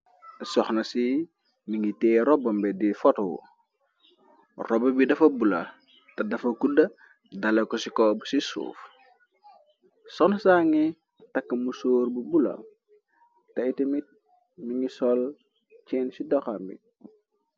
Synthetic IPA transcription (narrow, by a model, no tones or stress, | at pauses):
sɔxnɐsi | miŋitɛːɾɔbɐmbɛdifɔtwṵ | rɔbɐbidɐfɐbulɐ̰ | tɐdɐfɐkudɐ | dɐlekɔsikɔbsisṵːf | sɔxnɐsaːŋi | tɐkːɐmusoːɾbubula̰ | tɐitimit | miŋɡisɔl | t͡ʃɛːnsidɔxambḭ